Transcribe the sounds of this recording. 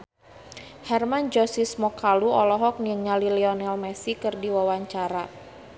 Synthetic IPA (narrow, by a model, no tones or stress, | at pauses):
hɛrmand͡ʒɔsismɔkaluɔlɔɦɔk̚niəŋɲalilɛɔnɛlmɛsikɨrdiwawaɲt͡ʃaɾa